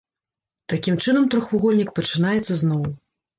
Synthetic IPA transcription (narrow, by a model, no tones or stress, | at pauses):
t̪akʲimt͡ʂɨnɐmt̪ɾɔxuɣɔlʲnʲikpɐt͡ʂɨnajɛt̪sːɐznɔw